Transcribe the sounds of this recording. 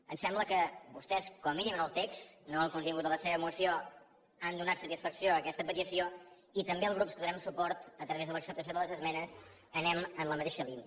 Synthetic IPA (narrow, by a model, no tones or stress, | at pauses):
ənsɛmbləkəbust̪ɛskɔmminimənəlˠt̪eksnoəlkunt̪iŋɡut̪ələseβəmusio | and̪unat̪sət̪isfəksioəkɛst̪əpət̪isio | it̪əmbeəlˠɣɾupskəðuɾɛmsupɔɾt̪ət̪ɾəβezðələksəp̚t̪əsioðələzəzmɛnəs | ənɛmənləmət̪eʃəliniə